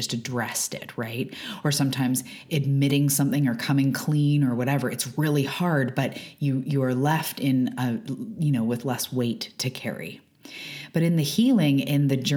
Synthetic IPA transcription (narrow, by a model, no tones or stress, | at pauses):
ʌstɨdɹɛstɪ̰t̚ɹaɪt̚ə˞sʌ̃mtʰãɪ̃mz | ɨd̚mɪɾɪ̃ŋsʌ̃mθɪ̃ŋə˞kʰʌmɪ̃ŋkʰl̥ĩnə˞wʌɾɛvə˞ɨtsɹɪlˠihɑɹd̚bʌt͡ʃɨjəː˞lɛftɪ̃nəjɨnoʊwɨðlɛsweɪtʰɨkʰɛ̰ɹḭ | b̥ʌɾɨ̃nðɨhilˠɪ̃ŋɪ̃nðɨd͡ʒɜ